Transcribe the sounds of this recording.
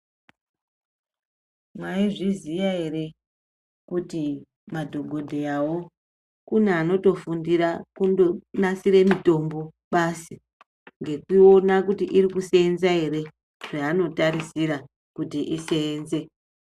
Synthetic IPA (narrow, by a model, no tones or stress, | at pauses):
mwaiʐizijaɦe̞re̞ | kuti | madʱo̞ɡʱo̞dʱeawo̞ | kuneano̞to̞fundiɾakundonasiɾe̞mito̞mbo̞ɓasi | ŋɡe̞kio̞nakutiʔiɾikuseːnzae̞ɾe̞ | ʐ̥aːno̞taɾisiɾa | kutiʔise̞ːnze̞